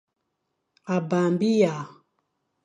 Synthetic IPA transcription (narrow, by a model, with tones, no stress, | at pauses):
a˨ba˨mbi˦ja˨